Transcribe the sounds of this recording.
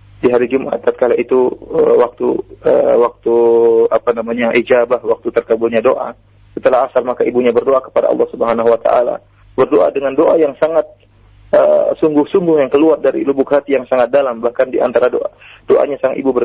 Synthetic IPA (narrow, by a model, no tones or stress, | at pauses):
diɦaɾid͡ʒumʔa̰t̪ːat̪̚kalait̪uəwak̚t̪uə̰wak̚t̪uapanamaɲaʔid͡ʒabahwak̚t̪ut̪ərkəbʊlɲadoʔa̰ | sət̪əlaɦasarmakaibuɲabərdoakə̥pada̰ʔɑ̰lˠːɑhsubəɦanaɦuwat̪a̰ʔa̰la̰ | bərdoʔa̰dəŋandoʔajaŋsaŋat̪̚ | ʔə̰suŋɡʊhsuŋɡʊhjaŋkəluar̚daɾḭlubʊkɦat̪ijaŋsaŋat̪̚dalambahkandiʔa̰nt̪aɾado̰ʔa̰d̥oʔa̰ɲasaŋaḭbubə